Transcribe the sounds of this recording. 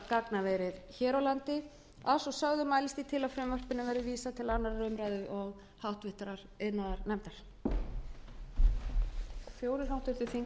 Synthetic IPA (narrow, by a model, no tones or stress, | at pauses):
kaknavɛjɾɪðçɛːɾawlant̪ɪ | asɔsœɣðʏmaːjlɪst̪it̪ʰɪlaðfɾɛmvœr̥pɪnːavɛɾðɪviːsat̪ʰɪlanːaɾarœɥmɾajðʏʔɔɣ | hawht̪vɪht̪ɾaɾ̥ | ɪðnaðaɾnɛmt̪aɾ̥ | θjoːwɾɪɾ̥ɦawht̪vɪɾt̪ʏθiŋ